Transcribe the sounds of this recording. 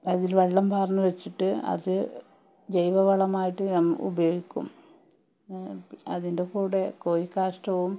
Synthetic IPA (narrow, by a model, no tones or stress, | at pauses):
ɐðilʋɐɭːɐmbʱaːrɐnːɐʋet͡ɕːiʈːɨɐ̰ðɨ | d͡ʑejʋɐʋɐɭɐmaːjiʈːɨmṵbɐjo̞ːɡikʲːṵm | ɐðinde̞kuːɽe̞koːjikːaːʂʈɐʋum